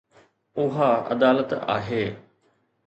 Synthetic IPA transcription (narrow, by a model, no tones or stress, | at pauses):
ʊɦaɐ̰d̪aːlət̪a̰ːɦeː